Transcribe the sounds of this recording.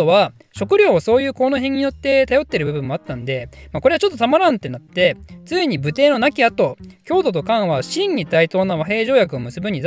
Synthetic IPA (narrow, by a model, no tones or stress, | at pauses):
oβa | ɕo̞kɯ̟ɾʲo̞ːoso̞ːjɯ̟ːko̞ːnoɦẽ̞ɲ̟ːijo̞t̪ːe̞t̪ajo̞t̪ːe̞ɾɯ̟bɯ̟bɯ̟̃mːo̞at̪ːãnd̪e̞mako̞ɾeat͡ɕo̞t̪ːot̪amaɾãnt̪e̞nat̪ːe̞t͡sɨiɲ̟ibɯ̟t̪e̞ːno̞nakʲiat̪o̞kʲo̞ːd̪o̞t̪̬o̞kãɰ̃βaɕĩɲ̟ːit̪ait̪o̞ːnaβaɦe̞ːʑo̞ːjakɯ̟omɯ̟sɨbɯ̟ɲ̟ːid̪